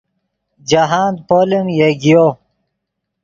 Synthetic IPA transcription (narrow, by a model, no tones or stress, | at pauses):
d͡ʑaɦaːnd̪̚poːlimjeɡijo